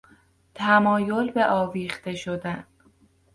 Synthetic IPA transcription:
t̪ʰæmɒːjo̞lbe̞ʔɒːviːxt̪e̞ʃod̪æn

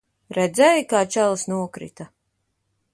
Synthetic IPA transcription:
ɾɛd̪zɛjkaːt͡ʃælˠsnuɔkɾḭt̪a

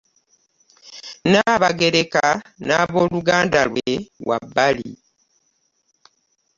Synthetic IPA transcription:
naβaɡe̞ɾekanaβoːluɡaːndalwewa̰bːalḭ

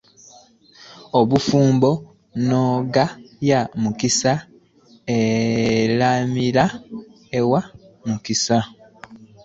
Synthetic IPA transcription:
oβufuːmbo̞ | noɡajamukisa | elamila | ewamukisa

